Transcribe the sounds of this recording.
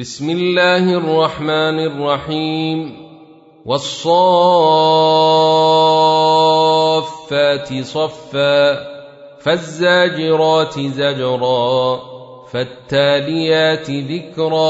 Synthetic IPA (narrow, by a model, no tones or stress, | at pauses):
bɪsmɪlːaːhɪʔɑrˤːɑħmaːnrˤːɑħiːm | wɑsˤːɑ | fːaːt̪ɪsˤɑfːaː | fazːaːd͡ʒɪɾˤɑːt̪ɪzad͡ʒɾˤɑː | fat̪ːaːlɪjaːt̪ɪðɪkɾˤɑː